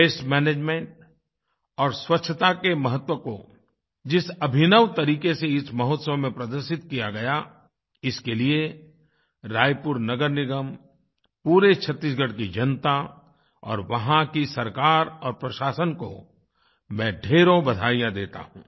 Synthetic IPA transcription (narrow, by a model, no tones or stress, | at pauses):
peːsmɛːneːd͡ʒmẽɳʈ̚ | ɔːɾswɐtːʃʰət̪akemɐɦət̪wəko | d͡ʒɪsɐbʱɪnəʋt̪ɐɾiːkeseɪsmɐɦoːt̪səʋmẽpɾɐd̪əɾʃɪt̪kijaɡɐja | ɪskelie | ɾaːjpʊɾnɐɡəɾnɪɡəm | puːɾet͡ʃʰət̪ːiːsɡəɽkid͡ʒɐnt̪a | ɔ̰ːɾʋɐɦãkisɐɾkaːɾɔːɾpɾɐʃaːsənko̰ | mɛ̃ːɖʱeːɾõbɐd̪ʱaːijãd̪eːt̪a̰ɦṵ̃ː